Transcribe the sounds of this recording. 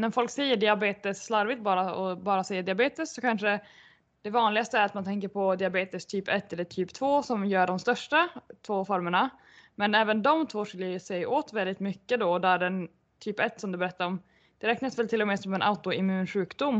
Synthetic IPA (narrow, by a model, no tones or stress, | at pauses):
næɾfɔlksɛjːəɖɪabeːt̪əsːlaɾvɪt̪̚bɑːɾaɔbɑːɾasɛjːad̪ɪabeːt̪ɪsːɔkʰanʂə | d̪̥ɛvɑːnlɪɡast̪əæɾat̪mant̪ʰɛŋkəɾpʰɔd̪ɪabeːt̪ɪst̪ʰyːpɛt̪ːɛd̪ɖ̪ɛt̪ʰyːpt̪ʰvoːsɔmjœːɖɔmst̪œʂʈat̪ʰvoːfɔɾməɳa | mɛnɛːvənd̪ɔmt̪ʰvoːʂɪlːəʂɛjʔoːt̪vɛld̪ɪt̪mʏkːəd̪ɔd̪æɖɛn | t̪ʰyːpɛt̪ːsɔmd̪ɵbɛɾɛt̪ːaɾɔm | d̪̥ɛɾɛːknasvɛlt̪ʰɪlːɔmɛːsɔmɛnʔa̰ʊt̪ʊɪmʉ̟ːnɧʉ̟ːkd̪ʊmː